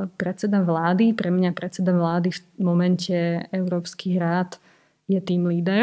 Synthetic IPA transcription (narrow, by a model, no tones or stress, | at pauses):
pɾɛt͡sɛd̪aʋlaːd̪ipɾɛmɲapɾɛt͡sɛd̪aʋlaːd̪ifmɔmɛncɛɛʊɾɔːpskiɦɾaːt̪ | jɛt̪iːmliːd̪ɛɾ